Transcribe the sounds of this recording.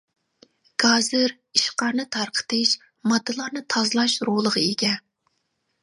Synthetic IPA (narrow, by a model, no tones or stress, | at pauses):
ɡ̥ɑːzɨɾ | iʃqɑɾnɨt̪ʰɑɾqʰə̥t̪ʰɨʃ | mɑd̪ːɨlˠɑɾnɨt̪ʰɑzlˠɑʃɾolˠəʁɑeɡʲɛ